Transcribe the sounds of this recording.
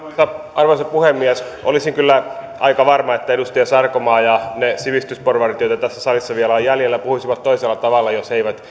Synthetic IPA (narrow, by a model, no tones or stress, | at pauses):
sɑ | ɑrʋoisɑpuhemːiæsʔo̰lisiŋkylːæ | ʔɑikɑʋɑrmɑet̪ːæedust̪iɑsɑrkomɑːjɑnesiʋist̪ysporʋɑrit̪joit̪ɑt̪æsːæsɑlisːɑʋiælɑjjæljelːæpuhusiʋɑt̪t̪oiselːɑt̪ɑʋɑlːɑjoseiʋæt̪